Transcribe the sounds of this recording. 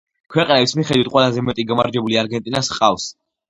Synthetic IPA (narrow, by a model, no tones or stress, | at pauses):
kʰwɛqʼnɛbismiχɛd̪wit̪̚ʰʼqʼwɛlˠazɛmɛt̪ʼiɡamaɾd͡ʒɛbuliaɾɡɛnt̪ʼinasqʼafs